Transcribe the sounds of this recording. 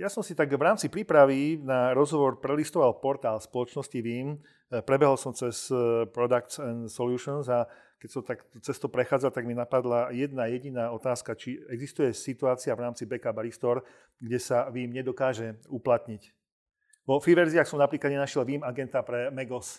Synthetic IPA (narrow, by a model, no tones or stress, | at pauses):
jasɔmsit̪aɡʋɾaːmt͡sipɾiːpɾaʋinaɾɔzɦɔʋɔɾpɾɛlist̪ɔʋalpɔɾt̪aːlspɔlɔt͡ʃnɔsciʋiːm | pɾɛbɛɦɔlsɔmt͡sɛspɾɔd̪akt͡sɛnsɔljuːʃɔnza | kɛcsɔmt̪akt̪ɔt͡sɛst̪ɔpɾɛxaːd͡zalt̪aɡminapad̪lajɛd̪najɛɟinaːɔt̪aːskat͡ʃiɛɡzist̪ujɛsit̪uaːt͡siavɾaːmt͡sibɛkabaɾist̪ɔɾ | ɡɟɛsaʋiːmɲɛd̪ɔkaːʒɛuplat̪ɲic | ʋɔfiʋɛɾziaxsɔmnapɾiːklad̪ɲɛnaʃjɛlʋiːmaɡɛnt̪apɾɛmɛɡɔs